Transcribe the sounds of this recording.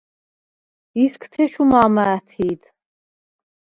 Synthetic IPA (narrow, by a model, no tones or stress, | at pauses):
iskʰt̪ʰɛʃumaːmaːt̪ʰiːd̪